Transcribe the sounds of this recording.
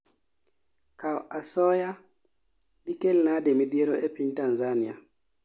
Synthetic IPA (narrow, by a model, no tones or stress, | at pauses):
kaʔasɔja | dikelnademid̪jeɾɔɛpintanzania̰